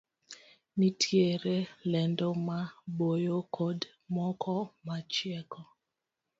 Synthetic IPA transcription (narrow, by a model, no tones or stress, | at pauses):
nitʰjeɾelɛndɔmabojokʰod | mɔkʰɔmat͡ʃjɛkɔ